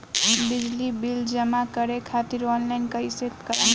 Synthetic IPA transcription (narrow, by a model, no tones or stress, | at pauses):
bid͡ʒlibild͡ʒəmakəɾekʰat̪iɾɔnlaɪnkəiset̪kəɾən